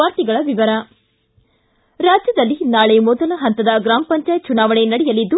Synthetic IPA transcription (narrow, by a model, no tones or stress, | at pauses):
aːɾt̪iɡɐɭɐʋiʋɐɾɐ | ɾaːd͡ʒjɐd̪ɐlːinaːɭemɔd̪ɐlɐɦɐnt̪ɐd̪ɐɡɾaːmɐpɐɲt͡ʃaːjt̪̚t͡ʃunaːʋɐɳenɐɽɛjɐlid̪ːu